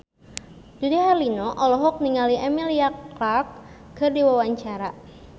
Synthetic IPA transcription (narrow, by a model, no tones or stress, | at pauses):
d̪̥udiɦarlinɔʔɔlɔɦɔk̚niŋaliʔɛmiliaklak̚kɨrdiwawaɲt͡ʃaɾa